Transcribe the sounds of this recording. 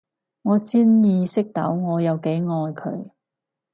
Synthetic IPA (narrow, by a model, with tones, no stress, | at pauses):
ŋɔː˨˧siː˥njiː˧sɪ˥k̚t̪ɐ̰˨˥wŋɔː˨˧jɐ˨˧wke˨˥jŋɔː˧jkʰɵ̰˨˧ɥ